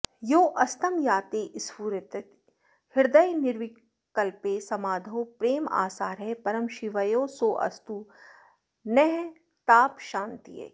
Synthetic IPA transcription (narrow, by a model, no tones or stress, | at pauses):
joːʔɐst̪ɐmjaːt̪eːʔɪspuːɾɐt̪ɐt̪ | hɪɾd̪ɐjnɪɾʋi | kɐlpeːsɐmaːd̪ʱoːpɾeːma̰ːsaːɾɦɛpɐɾɐmʃiʋɐjoːsoːʔɐ̰st̪u | nɛɦ | t̪aːpʃãːnt̪ḭḛ